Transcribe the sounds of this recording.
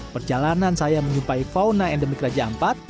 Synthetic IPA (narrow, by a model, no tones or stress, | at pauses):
pərd͡ʒalanansajaməɲumpaifawnaɛndəmikrad͡ʒaampat̪̚